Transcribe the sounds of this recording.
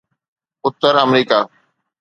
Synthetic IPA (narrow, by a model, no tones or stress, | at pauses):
ʊt̪ːəɾəmɾiːkaː